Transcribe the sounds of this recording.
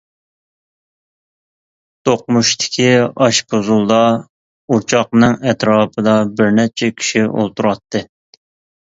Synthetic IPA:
t̪ʰoq̚muʃt̪ʰɪ̥kʲʰiɑʃpozulˠd̪ɑ | ut͡ʃʰɑqnɨŋɛt̪ɾɑːpʰɨd̪ɑbɪɾnɛt͡ʃʰɛkʲʰi̥ʃio̰lˠt̪ʰuɾɑt̪ːɨ

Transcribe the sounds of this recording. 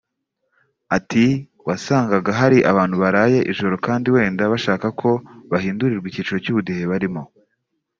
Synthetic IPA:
ati | wasaːŋɡaɡaɦaɾiʔa̰βaːnhuβaɾaːje̞ʔiʒo̞ɾo̞kaːndiwe̞ːndaβaʃaːkakʰo̞βahiːnduɾiɾɡwiciːt͡ʃuɾo̞cuːβudihe̞βaɾimo̞

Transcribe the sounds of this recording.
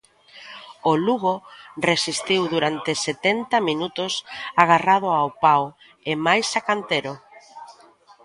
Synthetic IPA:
oluɣoresist̪iwðuɾant̪eset̪ent̪aminut̪ʊsaɣ̞arað̞ʊawpaw | emajsakant̪eɾo

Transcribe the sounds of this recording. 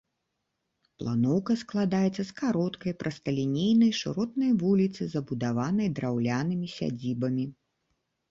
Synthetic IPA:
plˠa̰nɔwkɐsklˠad̪ajɛt̪sːɐskaɾɔt̪kɐjpɾʔɐst̪ɐlʲinʲejnɐjʂɨɾɔt̪nɐjvulʲit̪sɨzɐbud̪avanɐjd̪ɾawlʲanɨmʲisʲa̰d͡zʲibɐmʲi

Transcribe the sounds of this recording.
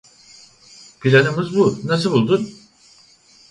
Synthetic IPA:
pʰilʲanɯmɯzbunas̬ɯbulˠd̪un

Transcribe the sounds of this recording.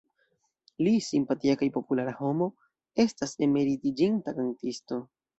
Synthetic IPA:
lisimpatiakajpo̞pulaɾaho̞mo̞ | e̞staseme̞ɾitid͡ʒintakantisto̞

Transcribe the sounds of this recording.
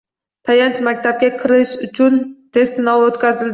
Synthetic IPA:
t̪ʰajant͡ʃmakʲt̪ap̚kʲakʲʰɪɾɪʃʊt͡ʃʰʊnt̪ʰe̞st̪ɪnɒvot̪kʲʰazɪld̪

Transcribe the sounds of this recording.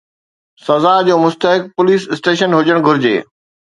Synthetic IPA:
sɐzad͡ʑoːmʊst̪əɦɪk̚pʊliːsɪsʈeːʃənɦʊd͡ʑəɽ̃ɡʱʊɾɪd͡ʑḛː

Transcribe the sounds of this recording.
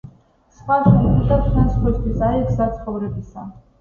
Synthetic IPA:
sχwaʃɛid̪at͡ʃʰmɛnsχwɛst̪ʰwisaɛksat̪sʰχɔvɾɛbisa

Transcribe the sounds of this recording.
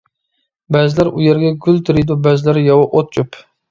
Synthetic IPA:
bɛzɪlæɾujeɾɡʲɛɡʲylt̪ʰɪɾɪd̪ubæzlɪɾjɑwɑʔot̪̚t͡ʃyp

